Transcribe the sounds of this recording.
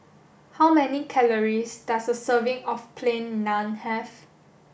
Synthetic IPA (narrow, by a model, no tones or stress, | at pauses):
hawmɛnikʰɛləɹisdasdəsəvɪ̃ŋɔfpʰlẽnːãnhɛf